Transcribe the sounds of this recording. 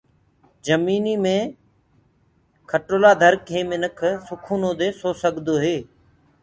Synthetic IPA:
d͡ʒəmiːniːmẽː | kʰəʈoːlaːd̪ʱəɾkɦeːmɪnəkʰsʊkʰuːnõːd̪eːsoːsəɠd̪oːɦeː

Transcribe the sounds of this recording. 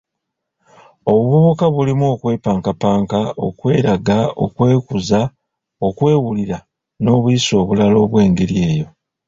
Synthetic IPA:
o̞βuβoβukaβulimuo̞kwe̞ːpaːŋkapaːŋkao̞̰kwe̞ːɾaɡao̞̰kwe̞ːkuza | o̞kwe̞ːwuliɾa | no̞ːβuiso̞ːβulalo̞ːβwe̞ːŋɡe̞ɾie̞ːjo̞

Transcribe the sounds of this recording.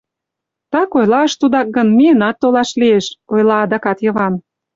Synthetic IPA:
t̪ɑkojlɑəʃt̪ud̪ɑk̚ɡɤnmiənɑt̪ːolɑʃlieʃojlɑːd̪ɑkɑt̪jɤ̆βɑn

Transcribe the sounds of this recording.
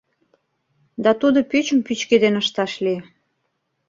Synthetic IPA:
d̪ɑt̪ud̪ŏpyt͡ɕəmpyt͡ɕked̪enəʃt̪ɑʃli

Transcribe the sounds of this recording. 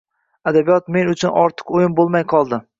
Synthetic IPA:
ad̪abijɒt̪me̞nʊt͡ʃʰʊnɒɾt̪ʰɨ̥qojɪmbolˠmajqʰɒlˠd̪ɪ

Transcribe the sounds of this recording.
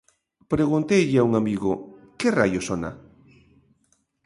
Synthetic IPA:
pɾeɣunt̪ejʎɪauŋamiɣʊkerajosona̰

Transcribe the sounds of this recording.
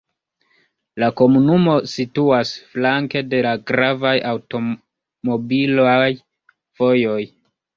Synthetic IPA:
lako̞munumo̞situasflaŋke̞de̞laɡɾavajawto̞ | mo̞bilaj | fo̞jo̞j

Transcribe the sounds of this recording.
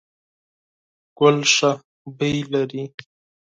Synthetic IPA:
ɡ̥ʊlʂa | bəjlaɾi

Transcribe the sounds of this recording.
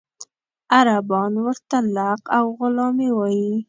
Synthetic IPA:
aɾabɑnwəɾt̪alaqawɣʊlɑmewɑji

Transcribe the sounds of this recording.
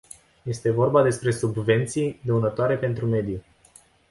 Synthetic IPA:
je̞st̪e̞vo̞rbad̪e̞spɾe̞subve̞nt̪sijd̪eunət̪oaɾe̞pe̞nt̪ɾume̞d̪ju

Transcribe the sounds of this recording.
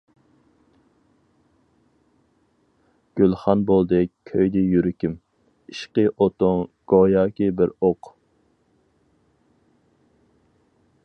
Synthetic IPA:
ɡ̥ʲølˠχɑnbolˠd̪ɨkʲʰøjd̪ɪjyɾɪkʲim | iʃqəʔot̪oŋɡ̥ojɑːkʲibɪɾoq

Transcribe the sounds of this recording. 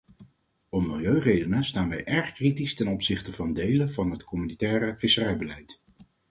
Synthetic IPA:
ɔmːɪlˠjøɥrejdənəstaːnʋɛ̰jʔɛɹχkritistɛnɔpsɪχtəvɑndejləvɑnɦətkɔmynitɛːɾəvɪsərɛjbəlɛjt

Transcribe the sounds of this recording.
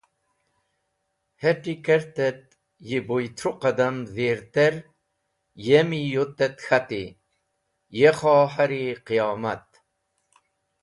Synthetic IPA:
hɛʈikɛɾt̪ɛt̪̚ | jibojt̪ʰɾuqɐd̪ɐmveːɾt̪eɾ | jemijot̪ːɛt̪xat̪i | jeχɑːħaɾiqijɑːmɐt̪̚

